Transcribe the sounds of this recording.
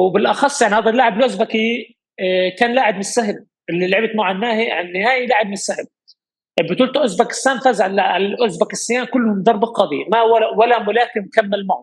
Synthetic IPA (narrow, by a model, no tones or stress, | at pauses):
wɪbɪlʔɑxɑsˤːjaʕnihaːd̪ˤalːaʕɪbɪlʔʊzbaki | kaːnlaːʕɪbmɪnɪsːaɦɪl | ʔɪlːilaʕbɪt̪mʊʕanːaːhiʕnːɪhaːjilaːʕɪb̚mɪnɪsːahɪl | ʔbɪt̪uːlt̪ʔʊzbakɪ̥sːaːmfazʕalʕaʔʊzbakɪsːɪjaːmkʊlːhʊmd̪ɑrˤbɪlqɑd̪ˤḭmawawalamʊlaːkɪmkamːalmaʕʊ